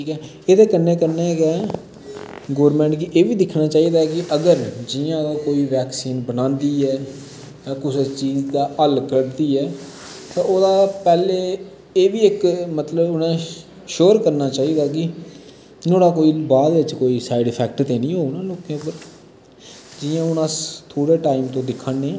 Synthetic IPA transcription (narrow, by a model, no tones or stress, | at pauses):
ʈʰiːkɛː | eːt̪eːkənːeːkəɾneːkɛː | ɡoːɾmẽːɳʈkɪʔeːʋiːd̪ɪkʰnaːt͡ʃaːiːd̪aːkɪʔəɡəɾd͡ʒɪjãːd̪aːkoːiːʋɛːksiːnbənãːnd̪iːɛː | aːkʊset͡ʃiːd͡ʒd̪aːʔəlkəɽd̪iːɛː | t̪ãːoːd̪aːpɛːleː | eːʋiːɪkmət̪ləbʊnãː | ʃoːɾkəɾnaːt͡ʃaːiːd̪aːk̬ɪ | noːɽaːkoːiːbaːd̪ɪt͡ʃkoːiːsaːɪɖpʰɛːk̚ʈt̪eːnĩːɦoːnãːloːkːẽːpəɾ | d͡ʒɪjãːʊnãːt̪ʰoːɽeːʈaːimt̪õːd̪ɪkʰːənːẽː